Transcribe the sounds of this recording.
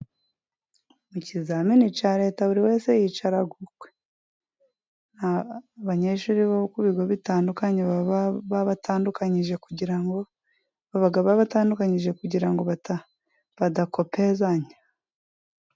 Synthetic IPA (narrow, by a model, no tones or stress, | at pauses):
mucizaminit͡ʃaːɾe̞ːtaβuɾiwe̞ːse̞jit͡ʃaɾaɡukwe | nhaβaɲeʃuːɾiβaβukuβiɡoβitaːndukaɲeββaβatʰaːndukaɲiʒe̞kuɟiɾaŋɡo | βaβaɡaβaβataːndukaɲiʒe̞kuɟiɾaŋɡo̞βata | βadako̞pezaɲe